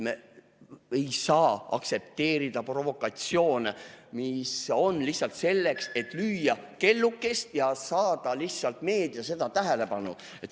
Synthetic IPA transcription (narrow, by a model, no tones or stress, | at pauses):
me | e̞jsɑːɑ̰kse̞p̚t̪e̞ːɾid̪̥ɑpro̞vo̞kːˑɑt̪sio̞ːnemiso̞nlihsɑlt̪se̞lːe̞kse̞t̪ːˑlyːjɑke̞lːukːˑest̪jɑsɑːd̪̥ɑliçtsɑlt̪me̞ːd̪iɑse̞d̪̥ɑt̪æɦele̞pɑnṵ | et̪